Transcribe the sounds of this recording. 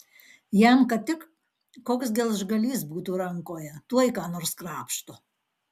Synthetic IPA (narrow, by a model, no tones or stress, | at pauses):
jɛmkɐt̪t̪ʲɪkː | oːksd̪ʲeːlˠʒɡɐlʲiːsbuːt̪uːɾɐŋkoːjɛt̪uɔjkɑːnoːɾskɾɑːpʃt̪ʊ